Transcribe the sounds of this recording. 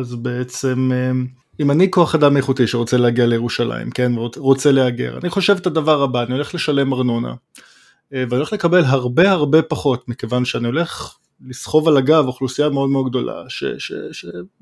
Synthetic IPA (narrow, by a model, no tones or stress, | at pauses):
azbe̞et͡se̞me | imaniko̞aχadamːejeχut̪iʃeʁot͡seleaɡialejeʁuʃala̰ḭmke̞nvoʁo̞t͡seleaɡe̞̰ʁa̰niχo̞ʃevet̪ad̪avaʁabaːnio̞leχle̞ʃale̞maʁnona̰ | veaniolχlekabe̞lɦaʁbe̞haʁbe̞paχo̞t̪mikevanʃeanio̞le̞χ | lisχo̞valaɡavoχlusijameo̞d̪meodɡ̚d̪o̞lʔa̰ʃḛʃḛʃe